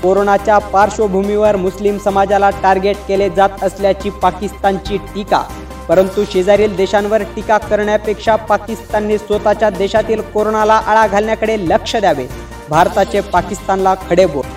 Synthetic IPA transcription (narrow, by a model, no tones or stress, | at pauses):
koɾonat͡ɕjapaɾɕobʱumiʋəɾmuslimsəmad͡zalaʈaɾɡeʈkeled͡zat̪əsljat͡ɕiːpakist̪aɲt͡ɕiːʈika̰ | pəɾənt̪uɕed͡zaɾiːld̪eɕãnʋəɾʈikakəɾɳjapekʂapakist̪anːisʋət̪at͡ɕjad̪eɕat̪iːlkoɾoɳalaʔəɭaɡʱalɳjakəɽeləkʂəd̪jaʋḛ | bʱaɾt̪at͡sepakist̪anlakʰəɽebol